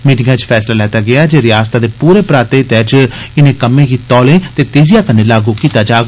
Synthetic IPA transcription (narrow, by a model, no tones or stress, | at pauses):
miːʈɪŋɡãt͡ʃpʰɛːslaːlɛːt̪aːɡɪaːd͡ʒeːɾɪjaːst̪aːd̪eːpuːɾeːpɾaːt̪eːt̪ɛːd͡ʒɪnẽːkəmẽːɡiːt̪ɔːlẽːt̪eːt̪eːzɪjaːkənːẽːlaːɡuːkiːt̪aːd͡ʒaː